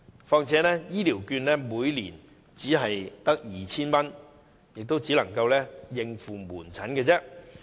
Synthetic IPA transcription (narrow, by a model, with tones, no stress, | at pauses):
fɔː˧ŋt͡sʰɛː˨˥nɛː˥jiː˥liː˨˩wkyː˧nlɛː˥muː˨˧jlḭː˨˩n | t͡siː˨˥ɦɐ˨jt̪ɐ˥k̚jiː˨t͡sʰiː˥nmɐ˥n | jɪ˨k̚t̪o˥wt͡siː˨˥lɐ˨˩ŋkɐ˧wlɛː˥jɪ˧ŋfuː˨muː˨˩nt͡sʰɐ˨˥nkɛː˧t͡sɛː˥